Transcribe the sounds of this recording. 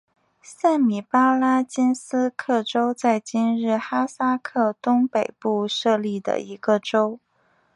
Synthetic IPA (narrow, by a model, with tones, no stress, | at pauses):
sa˥˩nmi˨˩pa˥la˥t͡ɕi˥nsɹ̩˥kʰɤ˥˩ʈ͡ʂo˥ʊt͡sa˥˩ɪt͡ɕi˥nɻɻ̩˥˩xa˥sa˥kʰɤ˥˩t̪ʊ˥ŋpe˨˩ɪpu˥˧ʂɤ˥˧li˥˩d̪ə̰˩i˧˥ɡ̥ə˧ʈ͡ʂo˥ʊ